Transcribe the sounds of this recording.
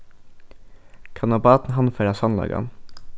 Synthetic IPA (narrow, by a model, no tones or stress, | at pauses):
kʰɑnɑbɑːt̪n̩ɦɑnføːɾɑsɑnlɑ̰ːɡɑ̰n